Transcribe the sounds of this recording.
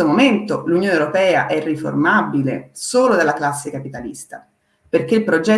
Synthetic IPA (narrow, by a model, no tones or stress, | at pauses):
omoment̪olunjoːnewɾopɛːa̰ʔɛrːifo̰rmabilḛsoːlod̪alːaklasːekapit̪alḭst̪a̰ | perk̟eilpɾod͡ʒɛ